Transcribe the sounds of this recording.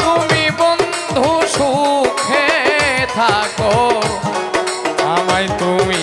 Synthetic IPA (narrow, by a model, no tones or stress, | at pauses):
t̪umibɔn | d̪ʱuʃukʰet̪ʰakɔ | amajt̪umi